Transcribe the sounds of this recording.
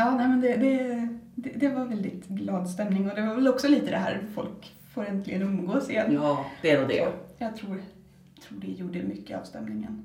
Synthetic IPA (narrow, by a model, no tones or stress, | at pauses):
jɑːnɛɪmɛnd̪ɛd̪ɛd̪ɛd̪ɛvɑɾvɛld̪ɪt̪ɡlɑːd̪st̪ɛmnɪŋɔd̪ɛvɑɾvɛlɔksɔliːt̪əd̪ɛɦæ̰ːɾfɔ̰lk | foːɾɛnt̪lɪɡənɵmɡoːsɪnd̪̥ɛɛd̪od̪ɛ̰jɑːɡt̪ʰɾuː | t̪ʰɾuːɖɛjuːɖəmʏkːəɑ̰ːvst̪ɛ̰mnɪŋə̰n